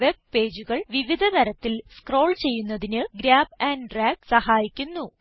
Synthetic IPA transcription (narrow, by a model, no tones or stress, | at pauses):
ʋe̞b̚pe̞ːd͡ʑuɣɐɭʋiʋid̪ʱɐt̪ɐɾɐt̪ːilskro̞ːɭt͡ɕe̞jːunːɐðinɨɡɾaːbaːnɖraːɡsɐhaːjikʲːunːu